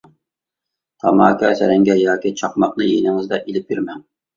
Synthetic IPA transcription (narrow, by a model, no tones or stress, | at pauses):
t̪ʰɑmɑ̰ːkʲɑsæ̰ɾɛŋɡʲɛjɑːkʲit͡ʃʰɑqmɑqnɨjenɪŋɨzd̪ɑʔilɪp̚jyɾmɛn